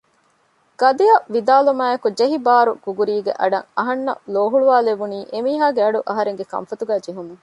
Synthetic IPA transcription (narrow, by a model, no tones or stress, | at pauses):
ɡ̥ɐd̪iɐʋid̪aːlumaːjɐkud͡ʒeɦibaːɾṵɡ̥uɡuɾiːɡḛʔɐɖɐ̰ŋɐɦɐnːɐ̰loːɦuɭuʋaːlebuniːʔemiːɦaːɡeɐɖuʔɐɦɐɾeŋɡekɐ̰mfɐt̪uɡæːd͡ʒeɦumuŋ